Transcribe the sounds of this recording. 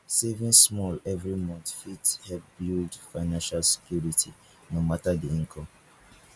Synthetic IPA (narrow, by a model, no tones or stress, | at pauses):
sevĩnsmɔlɛvɹimɔ̃ntfithɛbildfaɪnãnʃalse̥kjuɹitʰi | nomatadiĩŋkʰɔ̃m